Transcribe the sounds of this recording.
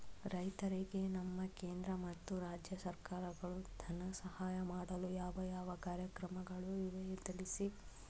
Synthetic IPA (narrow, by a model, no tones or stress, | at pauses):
ɾɐjt̪ɐɾiɡe̞nɐmːɐkeːnd̪ɾɐmɐt̪ːuɾaːd͡ʒjɐsɐɾkaːɾɐɡɐɭud̪̥ʱɐnɐsɐhaːjɐmaːɽɐlujaːʋɐjaːʋɐkaːɾjɐkɾɐmɐɡɐɭuʋiʋɐjit̪ɐɭisi